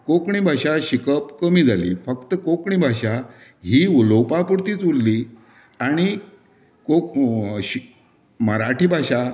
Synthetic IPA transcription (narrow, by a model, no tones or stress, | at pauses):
kokɳibʱaɕaɕikəpkəmiːd͡zalḭːfəkt̪əkokɳibʱaɕaɦiːulowpapuɽt̪iːt͡sulːi | aɽ̃i | koɕ | məɾaʈiːbʱaɕa